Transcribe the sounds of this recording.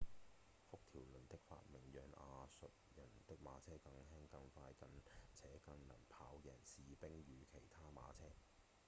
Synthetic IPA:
fʊ˥k̚t̪ʰiː˨˩wlɵ˨˩nt̪ɪ˥k̚fa̰ː˧t̚mɪ˨˩ŋjœː˨˧ŋaː˧sɵ˨t̚jɐ˨˩nt̪ɪ˥k̚ma̰ː˨˧˥t͡sʰɛː˥kɐ˧ŋhɛː˥ŋkɐ˧ŋfaː˧jkɐ˨˧nt͡sʰɛː˨˥kɐ˧ŋnɐ˨˩npʰaː˨˥wjɛː˨˩nsiː˨pɪ˥ŋjyː˨˧kʰe˨˩jt̪ʰaː˥ma̰ː˨˧t͡sʰɛː˥

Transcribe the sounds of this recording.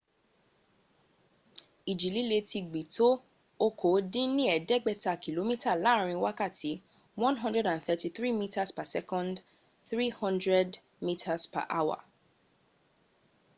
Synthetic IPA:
i˨d͡ʒi˨li˦le˧ti˧ɡ͡bi˨to˦ | o˧kʰo˨˦dĩ˦nĩ˦ɛ˨dɛ˦ɡ͡bɛ˦ta˨ki˨lo˨˦mĩ˦ta˦˨la˨˦˨ɾ̃ĩ˧wa˦ka˦˨tʰi˨˦ | wɔ̃˦nɦɔ̃˦ndɹɛ˦dã˨nθɛ˧ti˧θɾi˦˨mĩ˦ta˦spa˨sɛ˦kɔ̃˦nd | θɾi˦hɔ̃˦ndɹɛ˦d | mĩ˦tʰa˧spa̰˨ʔa˦wa̰˨

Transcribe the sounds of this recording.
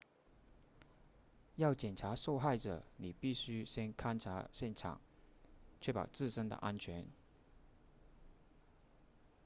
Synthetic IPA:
jɑ˥˩ʊt͡ɕjɛ˨˩nʈ͡ʂʰa˧˥ʂo˥˧ʊxa˥˩ɪʈ͡ʂɤə̰˨˩ni˨˩pi˥˩ɕy˥ɕjɛ˥nkʰa˥nʈ͡ʂʰa˧˥ɕjɛ˥˩nʈ͡ʂʰɑ̰˨˩˦ŋ | t͡ɕʰɥɛ˥˩pɑ̰˨˩ʊt͡sɹ̩˥˩ʂə˥ŋd̪ə̰˨ʔa˥nt͡ɕʰɥɛ˧˥n

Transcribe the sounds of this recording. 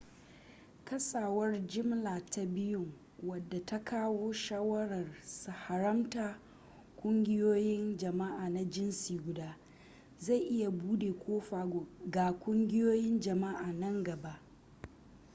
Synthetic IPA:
kɐ˦saː˨wɐ˦rd͡ʒɪ˦mlaː˨ta˦bɪ˦jʊ˦ŋ | wɐ˨dːa˨ta˦kʰaː˦woː˦ʃaː˦wɐ˦ɽɐ˨rsu˨ha˨ɾɐ˦mtaː˨ | kʷʼʊ˦ŋɡʲɪ˦joː˦jɪ˦nd͡ʒɐ˨ma˦ʔaː˨na˨d͡ʒɪ˦nsiː˨ɡʷʊ˨daː˦ | za˦˨jʔɪ˦ja˨buː˦deː˨kʷʰoː˦ɸaː˨ɡaː˨kʷʼʊ˦ŋɡʲɪ˦joː˦jɪ˦nd͡ʒɐ˨ma˦ʔaː˨nɐ˦ŋɡɐ˨ba˦ʔ

